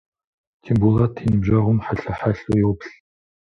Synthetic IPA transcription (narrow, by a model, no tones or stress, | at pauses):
tʰembulatʰinɨbʒɐʁʷʊmħaɬɐħaɬujɛwpɬ